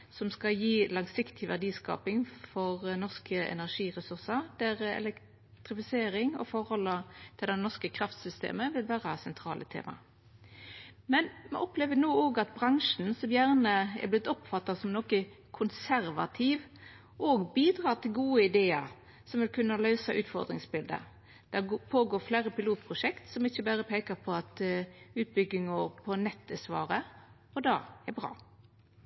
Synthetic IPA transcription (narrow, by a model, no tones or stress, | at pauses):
sɔmskɑjiːlɑŋsɪkt̪ʰɪʋædiːskɑ̰ːpɪŋfɔʁnɔʁskəɛ̰næʁʂiːʁəsʉʁsəd̪̥æʁɛ̰lɛk | t̪ʁɪfɪseːɾɪŋɔ̰fɔʁhɔlːət̪ʰɪld̪ɛnɔʁskəkʰɾɑft̪sʏst̪ḛːməʋɪlʋæːʁəsɛnt̪ʰɾɑːlət̪ʰḛːmɑ̰ | mɛnmɛ̰ʔɔpleːʋənoːoːɡɑt̪̚bʁɑŋʂn̩sɔmjæːʁnəɛ̰blɪt̪ːɔpfɑt̪ːɑsɔmnɔkə | kʰʊnsæɾʋɑ̰t̪ʰiːʋ | ʔoːɡbiːd̪ʁɑːʁt̪ʰɪlɡuːəɪd̪eːəɾ | sɔmʋɪlkʰʉnːɑlœʉsɑʔʉːt̪fɔ̰ʁd̪ɾɪŋsbɪld̪ə̰ | d̪̥æpʰoːɡoːɾfleːɾəpɪluːt̪̚pʰʁʊʂɛkt̪sɔmɪçːəbæːʁəpʰeːkɑpʰɔɑt̪ʉːt̪̚bʏɡɪŋʊɾpʰɔnɛt̪ːəsʋɑ̰ːɾə | ɔd̪ɑːæbʁɑ̰ː